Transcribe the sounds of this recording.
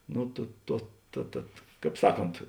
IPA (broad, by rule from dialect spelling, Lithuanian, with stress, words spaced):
ˈnʊ tʊ ˈtuɔ tɐ ˈtɐt ˈkɑːp ˈsɑːˌkoːnt